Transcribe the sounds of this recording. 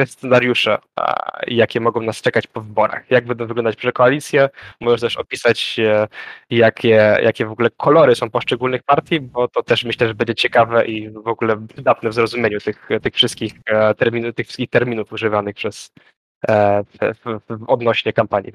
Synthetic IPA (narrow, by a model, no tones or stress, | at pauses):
ɛst̪sɛnaɾjuʂɛ̰ | jakʲɛmɔɡɔ̃w̃nast͡ʂɛkat͡ɕpɔvɘbɔɾa̰xjaɡ̚bɛnd̪ɔ̃w̃vɘɡlɔnd̪at͡ɕpʂɛkɔalʲit̪sʲjɛmɔʐɛʂt̪ɛʂɔ̰pʲisat͡ɕ | jakʲʰɛjʔa̰kʲɛvɔɡulɛkʰɔlɔɾɘsɔ̃w̃pɔʂt͡ʂɛɡulnɘxpaɾt̪ʲjibɔt̪ɔt̪ɛʂmɘɕlɛʐɛbɛɲd͡ʑɛt͡ɕɛkavɛʔivɔɡulɛvɘd̪at̪nɛvzɾɔzumʲjeɲut̪ɘxt̪ɘxfʂɘst̪̚kʲixt̪ɛɾmʲint̪ɘxfʂɘskʲixt̪ɛɾmʲinufuʐɘvanɘxpʂɛs | vvvɔd̪nɔɕɲɛkampaɲjḭ